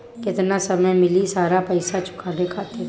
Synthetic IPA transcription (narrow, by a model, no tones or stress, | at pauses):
kɪt̪nasəmẽmɪlisaːɾapɐɪsat͡ʃʰʊ̥kʰaːdekʰaːt̪e